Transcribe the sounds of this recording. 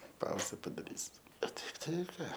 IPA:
ˈpɐʊzʲɛ pɐdɐˈrʲiːsʲʊ oː ˈtɐɪp tɐɪ ˈkɑː

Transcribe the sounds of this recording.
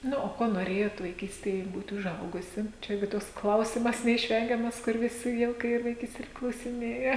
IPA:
ˈnʊ oː ˈkuɔ noːˈrʲeːjoːt ʋɐɪˈkʲiːsʲtʲeːjɛ ˈbuːtʲ ʊˈʒɐʊɡʊsʲɪ ˈt͡ʃʲɛ ˈɪrʲɡʲɪ ˈtoːks ˈklˠɐʊsʲɪmɐs nʲɛɪʃʲˈʋʲɛŋʲɡʲɛmɐs kʊr ʋʲɪˈsʲɪ ˈʋʲiɛlˠ kɐɪ ˈiːr ˈʋɐɪksʲtʲeːj ɪr klˠɐʊsʲɪˈnʲeːjɛ

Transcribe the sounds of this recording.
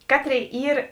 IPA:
ˈkɑːˌtʲrʲeːɪ ˈiːr

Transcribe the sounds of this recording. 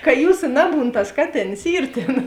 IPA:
kɐ ˈjuːsɐ ˈnɑːˌbuːn tɐs ˈkɑːˌtʲeːns ˈiːr ˈtʲeːn

